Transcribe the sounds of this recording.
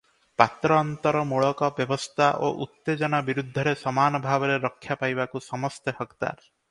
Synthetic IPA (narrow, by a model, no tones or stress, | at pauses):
pat̪ɾɔɔnt̪ɔɾɔmoɭɔkɔbjɔbɔst̪ʰaʔoʔut̪ːed͡ʒɔnabiɾud̪ʱːɔɾesɔmanɔbʱabɔɾeɾɔkʰːjapajbakusɔmɔst̪ehɔkt̪a̰ɾ